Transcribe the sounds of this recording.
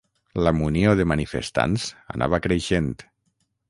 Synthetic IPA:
ləmunioðəmanifə̰st̪a̰nza̰na̰βakɾeʃent̪

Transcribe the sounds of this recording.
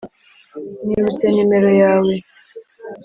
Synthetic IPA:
niɾutɛnimɛɾɔjawɛ

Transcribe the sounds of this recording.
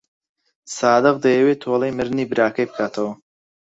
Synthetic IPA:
saːd̪ɐq̚d̪ɐjɐweːt̪ʰoːlˠɐjmɨɾniːbɨɾaːkʰɐjpɨ̥kʰaːt̪ʰɐw

